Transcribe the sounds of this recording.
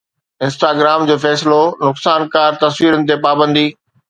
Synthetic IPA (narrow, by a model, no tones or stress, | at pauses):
ɪ̃nsʈaːɡɾaːmd͡ʑoːfɛːsɪlonʊksaːnkaːɾt̪ɐsʋiːɾənɪ̆t̪̬epaːbə̃nd̪iː